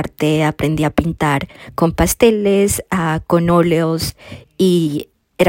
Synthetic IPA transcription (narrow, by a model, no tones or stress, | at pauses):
ɾt̪eapɾʔe̞nd̪iapint̪aɾko̞mpast̪e̞lesako̞no̞leos | i | eɾ